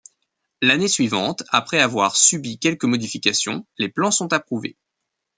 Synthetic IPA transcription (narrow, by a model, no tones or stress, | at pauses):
lanesɥivɑ̃t̪apχɛavwaʁsybikʲɛlkəmɔd̪ifikʲasjɔ̃leplɑ̃sɔ̃t̪apχuvḛ